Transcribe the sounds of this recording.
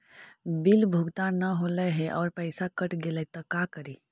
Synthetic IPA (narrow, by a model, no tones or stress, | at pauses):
bilbʱuɡt̪anəɦoːləɦɛʔɔːɾpəɪsakəʈɡelət̪əkakəɾi